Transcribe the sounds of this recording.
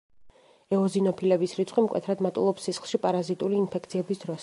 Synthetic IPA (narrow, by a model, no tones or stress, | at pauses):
ɛɔzinɔpʰilɛbisɾit̪sʼqʼimkʼwɛ̰t̪ʰɾad̪mat̪ʼṵlˠɔpsːisχlˠʃipʼaɾazit̪ʼuliːnpʰɛk̚ʰt̪sʰiɛbisd̪ɾɔs